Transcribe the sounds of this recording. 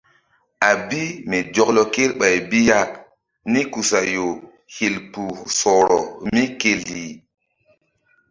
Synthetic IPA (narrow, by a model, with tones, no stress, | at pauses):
a˨bi˦mɛ˨d͡ʒɔ˨klɔ˨ke˦lɓa˨jbi˦ja˦ | ni˦ku˨sa˨jo˨ | he˨lpu˨sɔ˨ɾɔ˨mi˦ke˦lːi˨